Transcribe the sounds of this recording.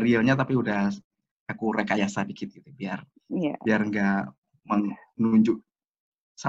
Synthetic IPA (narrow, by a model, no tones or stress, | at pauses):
ɾiaɲat̪̬apiudah | akuɾekajasadikit̪̚ɡit̪ubiar | jabiarŋɡa | məŋnuɲd͡ʒʊʔ | sa